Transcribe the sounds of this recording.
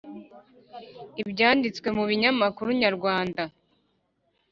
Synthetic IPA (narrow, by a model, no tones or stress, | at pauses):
ibɟaːndit͡skwe̞muβiɲamakuɾuɲaɾɡwaːnda